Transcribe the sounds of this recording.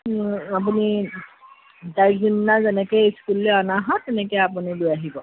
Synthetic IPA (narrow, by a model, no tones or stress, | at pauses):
ap̬uni | dajkzinːazɛnɛkejskulːeɔnaɦɔtːɛnɛkɔjapunilʊjaɦibɔ